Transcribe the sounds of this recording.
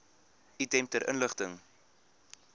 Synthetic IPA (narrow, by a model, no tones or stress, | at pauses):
itɛmp̚təɾʔə̰nləχtəŋ